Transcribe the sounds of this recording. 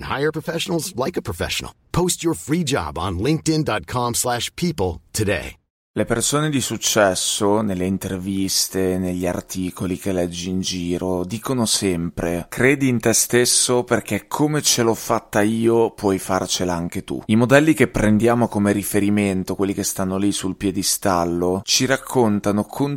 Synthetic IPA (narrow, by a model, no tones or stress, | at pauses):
nha̰ɪə˞pʰɹ̥əfɛʃnl̩ˠzlaɪkəpʰɹ̥əfɛ̰ʃn̩l̩ˠpʰoʊstə˞fɹid͡ʒɑ̰bn̩lɪ̃ŋk̚tɪ̃ndɑt̚kʰɑ̃mslæʃpʰipl̩ˠtʰɨdḛɪ | lepersoːned̪isut͡ʃːɛsːonelːeint̪ervist̪eneʎːia̰rt̪ʰiːkolikelɛd͡ʒːiːnd͡ʒiːɾod̪iːkonosɛmpɾekɾeːd̪iːnt̪est̪esːoperk̟ekʰːomet͡ʃelɔfːat̪ːaiːopwɔjfart͡ʃelaaŋk̟et̪ṵimod̪ɛlːik̟epːɾend̪jaːmokomeɾifeɾiment̪okwelːik̟est̪anːolisulpjɛd̪ist̪alːot͡ʃiɾakʰːont̪anokʰon